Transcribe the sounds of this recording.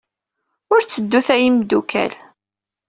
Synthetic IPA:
ʊɾt͡sːəd̪ːuθæjimd̪ukʰæ̰l

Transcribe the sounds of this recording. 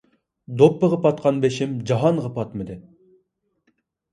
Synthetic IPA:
d̪opːəʁɑpɑt̪̚qʰɑnbeʃimd͡ʒɑɦɑnʁɑpʰɑt̪mɨd̪ɨ

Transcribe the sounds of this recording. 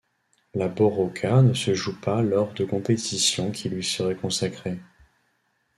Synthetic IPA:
labɔʁɔkʰanəsəʒupalɔʁd̪əkɔ̃pet̪ʰisjɔ̃kʲʰilɥisəʁɛkɔ̃sakχe

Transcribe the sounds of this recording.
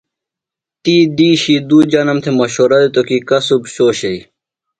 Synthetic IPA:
t̪iːd̪iːɕid̪uːd͡ʑɐnɐmt̪ʰemɐɕoːɾɐd̪et̪okikɐsubɕoːɕei

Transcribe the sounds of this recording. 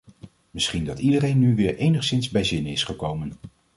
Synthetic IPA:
mɪsχindɑtidərejnːyʋɪːɹʔejnəχsɪnzbɛjzɪnəɪsχəkowmən

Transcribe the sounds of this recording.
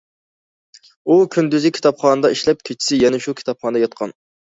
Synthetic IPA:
ukʲʰynd̪yzɪkʲʰi̥t̪ʰɑpχɑːnɨd̪ɑiʃlɛp̚kʲʰet͡ʃʰi̥sɪjɛnɛʃukʲʰi̥t̪ʰɑp̚χɑnd̪ɑjɑt̪̚qʰɑ̰n

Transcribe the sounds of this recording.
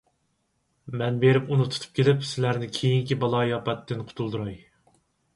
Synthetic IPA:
mɛnbeɾɪpunut̪ʰu̥t̪ʰu̥p̚kʲʰelɪpsɪlæɾnɪkʲʰejiŋkʲibɑlˠɑːjɑpɛt̪ʰːɪnqʰʊ̥t̪ʰulˠd̪uɾɑj

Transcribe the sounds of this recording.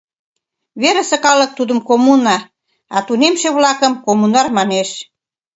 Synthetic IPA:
βeɾə̆sə̆kɑlə̆k̚t̪ud̪ə̆mkomunɑ | ɑt̪unemʃeβlɑkəmkomunɑrmɑneʃ

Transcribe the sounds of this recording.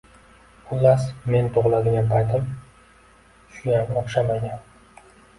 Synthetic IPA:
ʊlˠːasme̞nt̪ʰoʁlˠad̪ɪɡʲanpʰajt̪ɪm | ʃʊjamɒχʃamaɡʲan

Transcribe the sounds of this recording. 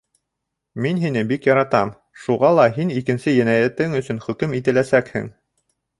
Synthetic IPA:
minɦinɘbikjɑɾɑt̪ɑm | ʃuʁɑlˠɑɦinikɘ̆nsɘjænæjæt̪ɘŋɵ̆sɵ̆nχɵ̆kɵmit̪ɘ̆læsækhɘ̰ŋ

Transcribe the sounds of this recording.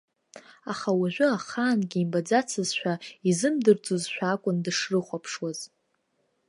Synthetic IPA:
aχawaʒᶣʷʊaχaːnɡʲiːmbad͡zat͡sʰɨzʃʷᶣaizɨmdɨrd͡zʼozʃʷᶣaːkʷʼʊndɨʂrɨχʷapʰʂwaz̥

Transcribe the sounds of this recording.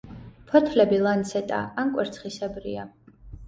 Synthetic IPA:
pʰɔt̪ʰlɛbilˠant̪sʰɛt̪ʼa̰ankʼwɛɾt̪sʰχisɛbɾḭa

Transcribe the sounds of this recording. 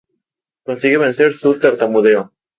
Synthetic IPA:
konsiɣeβenseɾsut̪eɾt̪amuðeo

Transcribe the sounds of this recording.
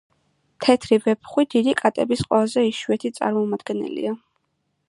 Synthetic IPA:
t̪ʰɛt̪ʰɾivɛpʰχwid̪id̪ikʼat̪ʼɛbisqʼwɛlˠazɛiʃwɛt̪ʰit̪sʼa̰ɾmɔmad̪̥ɡɛnɛ̰lḭa

